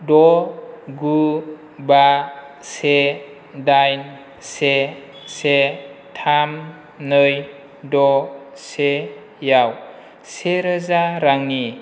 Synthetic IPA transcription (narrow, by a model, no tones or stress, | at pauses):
dɔ | ɡu | ba | se | dajn | se | setʰam | nɯj | dɔ | se | jaw | seɾəzaɾaŋni